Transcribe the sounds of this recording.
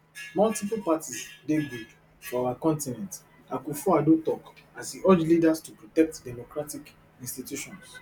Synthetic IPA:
mɔltiplpatisdeɡud | fɔawakɔ̃ntinɛ̃nt | akufɔadõtɔkasdiɜd͡ʒlidastupɹɔtɛk̚tdɛmokɹatik | ĩnstitjuʃɔ̃ns

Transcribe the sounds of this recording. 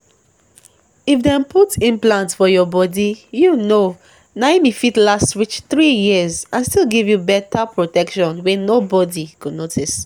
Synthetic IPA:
ifdɛ̃mputĩmplãntfɔjɔbɔdijuno | namifitlastwit͡ʃθɹijizãnstilˠɡivjubɛtʰapɹotɛkʃɔ̃nwɛnobɔdikudnotʰis

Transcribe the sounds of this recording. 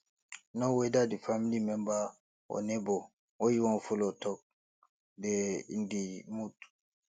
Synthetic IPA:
nɔwɛdadifamilimɛmba | ɔ̰nɛbɔ | wojiwɔnfulɔtɔk̚ | dɛḭndimut

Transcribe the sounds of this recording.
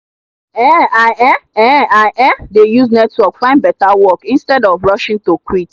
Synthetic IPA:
ɛaʔɛɛaʔɛdejusnɛtwɔkfãɪ̃ndbɛtawɔkĩnstɛdɔvɹɔʃĩŋtokwit

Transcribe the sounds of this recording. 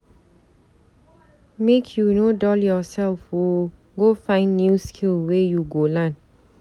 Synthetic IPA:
mekʰjunodɔljɔsɛlfwo | ɡofãɪ̃nːjuskʰilwejuɡolãn

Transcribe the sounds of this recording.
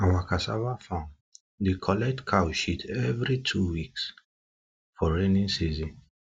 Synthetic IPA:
awakasa̰vafãn | dekʰɔlɛk̚tkʰawʃitʰɛvɹitʰuwiks | fɔɹẽnĩnsizĩn

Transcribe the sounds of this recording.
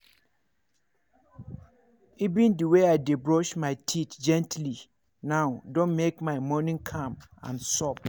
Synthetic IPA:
ivĩndəweaɪdebɹɔʃmaɪtʰitd͡ʒɛ̃ntli | nãʊdõnmekmaɪmɔnĩŋkʰãm | ã̰nsɔp̚

